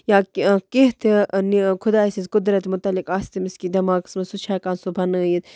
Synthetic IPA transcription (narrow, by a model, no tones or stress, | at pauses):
jaːkeɦt̪ʰnikʰʊd̪aːsizʲkʊd̪ɾɐt̪mʊt̪ɐlːikaːst̪imiskid̪ɐmaːksmɐsut͡ʃʰaːkaːnsubʱɐnɨjit̪